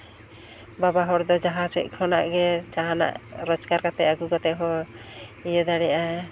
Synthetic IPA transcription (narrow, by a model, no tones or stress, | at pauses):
babaɦɔɽd̪ɔd͡ʒaɦad͡ʒɛ̰c̚kʰɔna̰ʔɡɛt͡ʃaɦana̰ʔɾɔd͡ʒkaɾkat̪ɛaɡuɡɔt̪ɛɦɔ | ijəd̪aɽɛjʔa